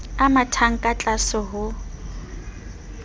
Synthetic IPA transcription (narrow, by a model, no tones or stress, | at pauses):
amatʰaŋ̩kʼat͡ɬʼasʊɦʊ